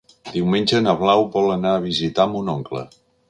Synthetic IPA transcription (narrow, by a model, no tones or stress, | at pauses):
d̪̥iwmenʲʒənəβlawbɔlənaəβ̞izit̪ambunoŋklə̰